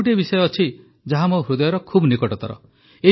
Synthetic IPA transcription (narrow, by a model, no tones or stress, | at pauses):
ʈ̬iebisɔjɔːt͡ʃʰi | d͡ʒaɦamoɦɾud̪ɔjɔɾɔkʰubnikɔʈɔt̪ɔɾɔ̰ | e